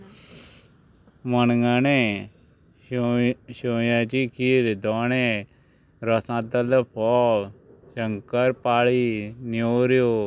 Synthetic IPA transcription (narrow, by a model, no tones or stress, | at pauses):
mənŋane | ʃoːjãt͡ʃikʰiɾd̪ɔnẽ | ɾəsãd̪ələpʰɔː | ʃəŋkəɾpaːɭinioːɾjo